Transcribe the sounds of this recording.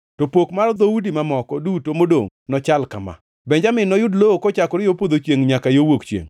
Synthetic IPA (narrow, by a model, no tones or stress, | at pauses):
topokmard̪oudimamɔkɔdutomodo̰ŋnɔt͡ʃalkama̰ | bɛɲd͡ʒamɪnɔjʊdlookɔt͡ʃakɔɾɪjopod̪ot͡ʃeŋɲakajowokt͡ʃjḛŋ